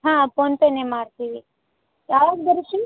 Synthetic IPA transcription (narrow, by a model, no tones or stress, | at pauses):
ɦãːponp̪enemaːɽt̪iːʋi | jaːʋaːɡd̪ɐɾiʃim